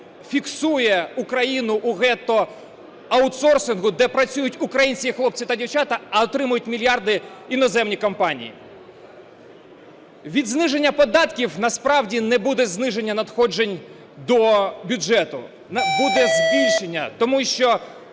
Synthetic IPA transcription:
fʲiksujɛukɾɐjinʊʔːɣɛt̪ɔ | ɐʊt̪sɔrsɪnɣʊd̪ɛpɾɐt͡sʲujʊtʲʊkɾɐjinʲsʲkʲixlˠɔp̚t͡sʲit̪ɐdʲiwt͡ʃɑt̪ɐɐɔt̪ɾɪmʊjʊtʲmʲilʲijɑrd̪ɪinɔzɛmnʲikɔmpɑnʲḭjḭ | ʋʲid̪znɪʒe̞nʲːɐpɔd̪ɑt̪kʲiwnɐspɾɑwdʲinɛbud̪ɛznɪʒe̞nʲːɐnɐd̪xɔd͡ʒenʲ | d̪ɔbʲʊd͡ʒɛt̪ʊ̰ | nbud̪ɛzʲbʲilʲʃenʲːɐt̪ɔmuʃt͡ʃɔ

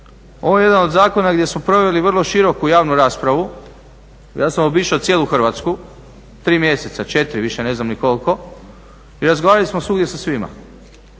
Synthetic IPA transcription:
o̞̰ʋoje̞d̪anod̪zaːko̞naɡdʲjesmo̞pɾo̞ʋe̞liʋərlˠoʃiɾo̞kujaːʋnuɾaːspɾaʋu | jaːsamobiːʃeot̪sjeːlˠuxr̩ʋat̪sku | t̪ɾiːmje̞set̪sat͡ʃe̞t̪ɾiʋiʃene̞znamniko̞lko̞ | iɾazɡoʋaːɾalismosuɡdʲje̞sasʋima̰

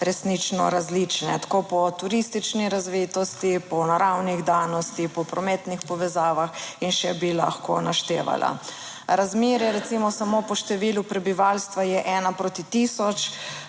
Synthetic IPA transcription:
ɾɛsnit͡ʃnɔ̰ɾazlit͡ʃnɛ̰t̪ḁkopɔt̪uɾist̪it͡ʃniɾazʋet̪ɔst̪ipɔnaɾawniɣd̪aːnɔst̪ipɔpɾɔmɛːt̪nixpɔʋɛzaːʋaxinʃɛbila̰xko̰naʃt̪eːʋa̰lʔa̰ | ɾazmeːɾɛɾɛt̪simɔsamopɔʃt̪ɛʋilupɾɛbiʋaːlst̪ʋajɛʔɛːnapɾot̪it̪isɔt͡ʃ

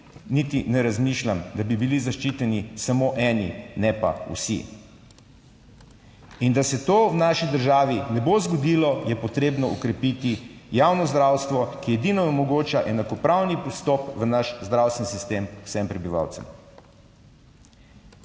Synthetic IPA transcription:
nit̪inɛɾazmiʃlʲamd̪abibilizaʃt͡ʃit̪ɛnisamoʔɛːninɛpa̰ṵsḭ | ind̪asɛt̪ownaːʃid̪əɾʒaːʋinɛbozɡɔd̪ilɔjɛpɔt̪ɾeːbnɔɔkɾɛpit̪ijawnɔzd̪ɾawst̪ʋɔkijɛd̪inɔnɛmɔɡoːt͡ʃaʔɛnakɔpɾawnipist̪ɔpʋənaʃzd̪ɾawst̪ɛnsist̪emusɛmpɾɛbiʋa̰wt̪sɛ̰m

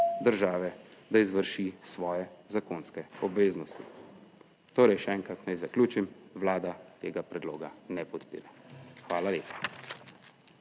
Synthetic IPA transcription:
d̪əɾʒaːʋɛd̪aizʋəɾʃisʋɔːjɛzakonskɛɔbʋeːznɔst̪ḭ | t̪oːɾɛjʃɛɛŋkɾat̪najzaklʲuːt͡ʃimʋlaːd̪at̪eːɡapɾɛd̪loːɡanɛpɔt̪pḭːɾɛxʋaːlaleːpḁ

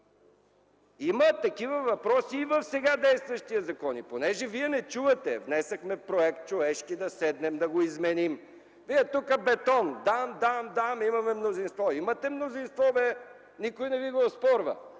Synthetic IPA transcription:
imət̪ɐkivɐvɐpɾɔsiːvɐfsɛɡad̪ɛjst̪vɐʃt̪iɐzɐkɔniponɛʒɛviɛnɛt͡ʃuvɐt̪ɛvnɛsɐxmɛpɾoɛk̚t̪̚t͡ʃovɛʃkid̪ɐsɛd̪nɛmd̪ɐɡoizmɛnim | viɛt̪ukəbɛt̪ɔnd̪amd̪amd̪amimɐmɛmnozinst̪vɔimɐt̪ɛmnozinst̪vɔvɛ | nikojnɛviɡospɔɾvɐ̰

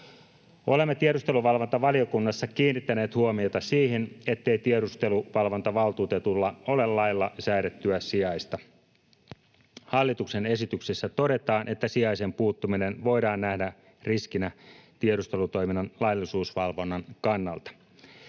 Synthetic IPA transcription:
o̞le̞mːet̪ieɾust̪e̞luʋɑlʋont̪ɑʋɑlio̞kunːɑsːɑkiːnːit̪ːæne̞ːt̪huomiot̪ɑsiːɦine̞t̪ːe̞jt̪ieɾust̪e̞luʋɑlʋo̞nt̪ɑʋɑlˠt̪uːt̪e̞t̪ulːɑo̞lelːɑjlːɑsæjɾet̪ːyæsiɑjst̪ɑ | hɑlːit̪ukse̞ne̞sit̪yksesːæt̪o̞de̞t̪ɑːnʔe̞t̪ːæsiɑjse̞mpuːt̪ːuminenʋo̞jdɑːnːnæhdæ | riskinæt̪ieɾust̪e̞lut̪o̞jminːɑnlɑjlːisuːsʋɑlʋo̞nːɑnkɑnːɑ̰lt̪ɑ̥

